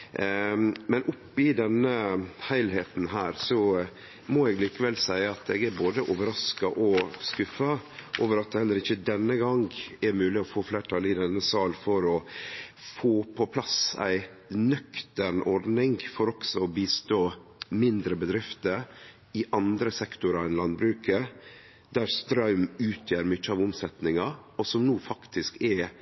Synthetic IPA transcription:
mɛnʔʊpːɪd̪ɛnːəhæɪlɦeːt̪n̩ɦæːɾsɔ | mɔɛɡliːkəʋɛlsæɪəɑt̪ɛɡæɾboːd̪əʔoːʋəɾɑskɑʔɔskʉfɑʔoːʋəɾɑt̪̚d̪ɛhɛlːəɾɪçːəd̪ɛnːəɡɑŋɡɛmʉːlɪɔfoːfleːʈʰɑlɪd̪ɛnːəsɑːlfɔɾɔ | foːpʰɔpʰlɑsæ̰ɪ | nœkt̪əɳɔɾɖnɪŋɡfɔɾɔksɔɔbiːst̪oːmɪnd̪ɾəbəd̪ɾɪft̪əɾ | ɪʔɑnd̪ɾəsɛkt̪ʊɾɑɛnlɑnbɾʉːkə | d̪̥æɾst̪ɾɑʉmʉːt̪ʰjøːɾmʏt͡ʃːəɑːʋʊmsɛt̪nɪŋɑɔsɔmnuːfɑkt̪ɪskɛ

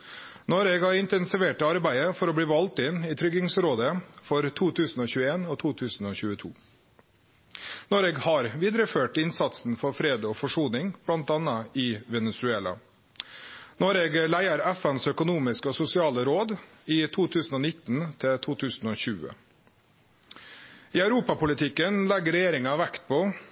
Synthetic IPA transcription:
noːɾeːɡhɑɾɪnt̪ɛnsɪʋeːʈəɑɾbæɪəfɔɾɔːbɽiːʋɑlt̪ɪniːt̪ʰɾʏɡɪŋsɾoːd̪əfɔɾt̪ʰuːt̪ʰʉːsn̩oːçʉːəeːnoːt̪ʰuːt̪ʰʉːsn̩oːçʉːət̪ʰṵː | noːɾeːɡhɑɾʋiːd̪ɾəføːʈɪnsɑt̪sn̩fɔɾfɾeːd̪əoːfɔʂuːnɪŋb̥lɑnt̪ɑnɑɪʋɛnɛsʉeːlɑ̰ | noːɾeːɡəlæɪəɾæfɛnsœkʊnuːmɪskəɔsʊsɪɑːləɾoːd̪ | iːt̪ʰuːt̪ʰʉːsn̩oːnɪt̪ːn̩t̪ʰɪt̪ʰuːt̪ʰʉːsn̩oːçʉːə̰ | iːœʉɾuːpɑpʊlɪt̪ʰɪkːənlɛɡəɾɛjeːɾɪŋɑʋækt̪̚pʰɔ

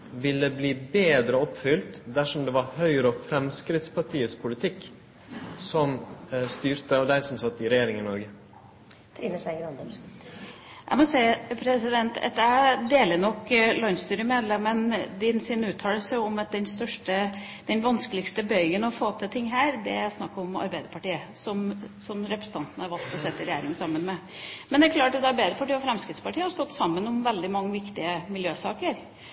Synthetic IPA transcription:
ʋɪlːəbliːbeːd̪ɾəɔpːfʏlt̪d̪æʂɔmd̪ɛʋɑɾhœʏɾɔfɾɛmskɾɪt̪spʰɑʈʰiːət̪spʰʊlɪt̪ʰɪkː | sɔmst̪yːɾt̪əɑʋd̪æɪsɔmsɑt̪ːɪɾɛjeːɾɪŋɪnɔɾɡə | iəsæɡɾɑnd̪ | ʔæ̰mɔsæɪpʰɾɛsɪd̪ɛnt̪ʰɛ̰t̪æd̪eːlənɔkːlɑnst̪yːɾəmeːd̪lɛmənd̪ɪnsɪnʉːt̪ʰɑːləsəɔmɑt̪̚d̪ɛnst̪œʂʈə | d̪̥ɛnʋɑnskəlɪkst̪əbœʏɡənɔfoːt̪ʰɪlt̪ʰɪŋːɦæːɾd̪ɛæsnɑ̰kːəɔmɑ̰ɾbæɪd̪əɾpʰɑʈiːəsɔmsɔmɾɛpɾəsət̪ʰɑnt̪nəhɑɾʋɑlt̪ʰɔsɛt̪ːɪɾɛjeːɾɪŋəsɑmːənmɛ | mɛnd̪ɛkʰlɑːʈːɑt̪ɑɾbæɪd̪əpɑʈiːəɔfɾɛmskɾɪt̪spɑʈʰiːəhɑɾst̪ɔt̪ːsɑmːənɔmʋɛld̪ɪmɑŋːəʋɪkt̪ɪəmɪljøːsɑːkəɾ

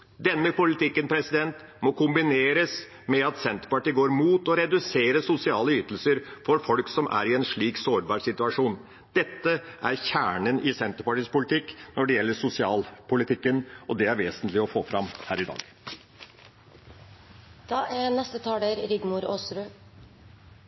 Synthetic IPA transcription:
d̪ɛnːəpʊlɪt̪ʰɪkːənpʰɾɛsɪd̪ɛnt̪ | mɔkʰʊmbɪneːɾəs | mɛɑt̪sɛnt̪əɾpɑʈiːɡoːɾmuːt̪ɔɾɛd̪ʉseːɾəsʊsɪɑːləʏt̪əl̩səɾfɔɾfɔlksɔmʔæ̰ːɾɪɛnʂɭiːksoːɾbɑːɾsɪt̪ʉɑʂuːn | d̪̥ɛt̪ːəʔæɾçæːɳənʔɪsɛnt̪əɾpɑʈiːspʊlɪt̪ɪkːnɔɖɛjɛlːəʂʊsɪɑːlpʰʊlɪt̪ʰɪkːənʔɔd̪ɛæɾʋeːsənt̪lɪɔfoːfɾɑmhæːɾɪd̪ɑ̰ːɡ | d̪̥ɑːænɛst̪ət̪ʰɑːd̪eɾɾɪɡmuɾoːsɾʉː

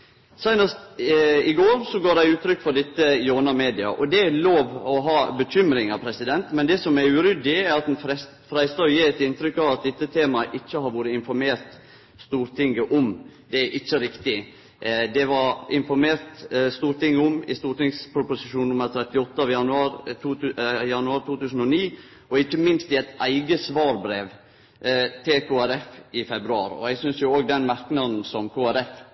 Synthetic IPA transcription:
sæɪnəst̪ɪɡoːɾsɔɡoːɖæɪʉːt̪ʰɾʏkːfɔɾɖ̪ɪt̪ːəjoːnɑmeːd̪ɪɑ̰ʔɔd̪ɛæloːʋɔɦɑːbəc͡çʏmɾɪŋɑʋpʰɾɛsɪd̪ɛnt̪mɛnd̪ɛsɔmæɾʉɾʏd̪ːɪæɾɑt̪̚ɛnfɾɛ | fɾæɪst̪ɑːjiːɛt̪ɪnt̪ɾʏkːɑʋɑt̪̚d̪ɛt̪ːət̪ʰeːmɑʔɪçːəhɑɾʋoːɾəɪnfɔɾmeːɾt̪ | st̪uːɾt̪ʰɪŋːəʔɔmd̪ɛʔɪçːəɾɪkt̪ɪ | d̪ɛʋɑɾɪnfɔɾmeːɾt̪st̪uːɾt̪ɪŋːəʊmɪ̰st̪uːɾʈɪŋspʰɾʊpʊsɪʃuːnnʊmːəɾt̪ʰɾɛt̪ːɪɔt̪ːəɑʋjɑnʉɑːɾː | jɑnʉɑːɾt̪ʰuːt̪ʰʉːsn̩ɔniː | ʔɔɪçːəmɪnst̪ɪɛt̪ʔæɪɡəsʋɑːɾbɾeːʋ | t̪ʰɪlkʰoːæɾɛfɪfɛbɾʉɑːɾɔ̰ɛɡsʏnsjʊoːɡ̚d̪ɛnmæɾknɑn̩sɔmkʰoːæɾɛf

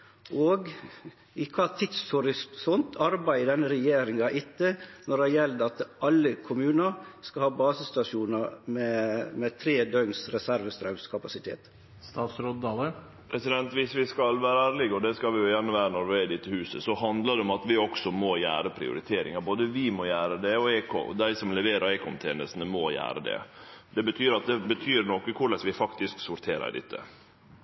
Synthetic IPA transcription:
ʔoɡ | ɪkʰɑːt̪ʰɪd̪shʊɾɪssɔnt̪ʰɑɾbæɪəd̪ɛnːəɾɛjeːɾɪŋɑʔɪt̪ːənɔɾɛjɛld̪ɑt̪ʔɑlːəkʰʊmʉːnɑɾskɑhɑːbɑːsəst̪ɑʂuːnɑɾmɛmɛt̪ʰɾeːd̪œŋsɾɛsæɾʋəst̪ɾɑʉskʰɑpɑsɪt̪ʰḛːt̪ | st̪ɑːt̪sɾod̪d̪ɑːlə | pʰɾɛsɪd̪ɛnt̪ʋɪsʋɪskɑlʋæːɾəæːɾlɪɡɔd̪ɛskɑlʋɪjʊjænːəʋæːɾənɔɾʋɪæd̪ɪt̪ːəhʉːsəsɔhɑnd̪ləd̪ɛɔmɑt̪ʋɪɔksɔmɔjæ̰ːɾəpʰɾɪ̰ʊ̰ɾɪt̪ʰeːɾɪ̰ŋɑboːd̪əʋɪmɔjæːɾəd̪ɛɔeːkʰo̰d̪æɪsɔmlɛʋeːɾɑɾeːkʰɔnt̪ʰeːnəst̪ənəmɔjæ̰ːɾəd̪ɛ̰d̪ɛbət̪ʰyːɾɑt̪̚d̪ɛbət̪ʰyːɾnɔkːəkʰʊɭɛsʋɪfɑkt̪ɪsksʊɾt̪ʰeːɾə̰ɾd̪ɪ̰t̪ʰːə̰

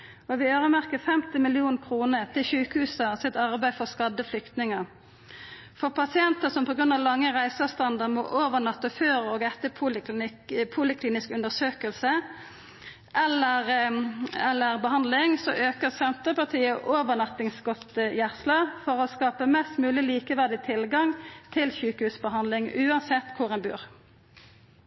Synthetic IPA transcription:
ɔʋɪøːʁəmæʁkəfɛmt̪ɪmɪlɪuːnkʰʁuːnət̪ʰɪlʃʉːkhʉːsəsɪt̪ɑʁbæɪfɔʁskɑd̪əflʏkt̪nɪŋəʁ | fɔʁpɑsɪɛnt̪əsɔmpɔɡʁʉnd̪ɑʋlɑŋːəʁæɪsɑst̪ɑnd̪əʁmɔ̰ʔoːʋənɑt̪ːəføːɾəɔːɡɛt̪əpʰuːlɪklɪpʰuːlɪkʰliːnɪskʉnd̪əsøːkəlsə | ʔɛləʁ | ɛlːəʁbəhɑnd̪lɪŋsɔʔøːkəʁsɛnt̪əpɑʁt̪ʰiːəʔoːʋənɑt̪ːɪŋsɡɔt̪jæʁslɑfɔʁɔskɑːpəmɛst̪mʉːlɪliːkəʋæʁd̪ɪt̪ʰɪlɡɑŋt̪ʰɪlçʉːkəhʉːsbəɦɑnd̪lɪŋʉːɑnsɛt̪ːkʰʊʁɛnbʉ̰ːʁ

